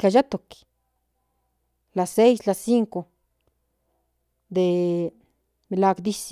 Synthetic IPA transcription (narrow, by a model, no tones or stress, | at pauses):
kajat̪ok | lasejslasiŋko | d̪e | melakd̪is